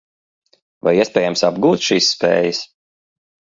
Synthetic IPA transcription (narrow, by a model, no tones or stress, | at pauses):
va̰jiɛspɛːjamsabɡuːt̪ʃiːsːpḛːjəs